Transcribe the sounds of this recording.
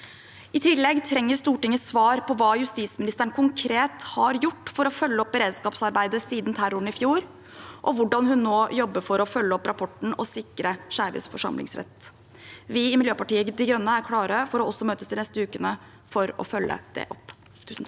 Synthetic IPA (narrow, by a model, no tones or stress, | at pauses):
ʔɪt̪ʰɪlːɛɡt̪ʰɾɛŋːəɾst̪uːʈɪŋːəsʋɑːɾpʰɔʋɑːjʉst̪iːsmɪnɪst̪əɳkʰʊŋkʰɾeːt̪hɑɾjʊʈːfɔɾɔfœlːəɔp̚ːəɾeːd̪skɑːpsɑɾbæɪd̪əsiːd̪nt̪ʰæɾoːɳəɪfjuːɾ | ʔɔʋʊɖɑnhʉnːoːjɔbːəfɔɾɔfœlːəɔpːɾɑpʰɔʈn̩ɔsɪkːɾəʂæːɾʋɪ̰sfɔʂɑ̰mlɪ̰ŋsɾɛ̰t̪ː | ʋɪɪmɪljøːpɑʈiːəɡd̪ɪɡɾœnːəæɾkʰɽɑːɾəfɔɾɔɔsːɔmøːt̪əsd̪ɪnɛst̪əʉːkənə | fɔɾɔ̰fœlːə̰d̪̥ɛ̰ʔɔp̪ʰː